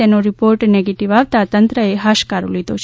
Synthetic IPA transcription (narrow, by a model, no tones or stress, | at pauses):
enoɾipoːɾʈneɡeʈiʋaːʋt̪at̪ɐnt̪ɾəeɦaːʃkaːɾulid̪ot͡ʃʰ